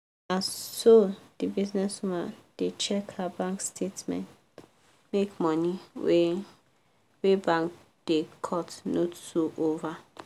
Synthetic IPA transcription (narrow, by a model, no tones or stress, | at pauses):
ãnsod̥ibiznɛsumad̥et͡ʃʰɛkabãŋkstʰetmɛ̰̃nt | mekmɔ̃niw | webãŋk̚ | d̥ekʰɔtnotsuʔova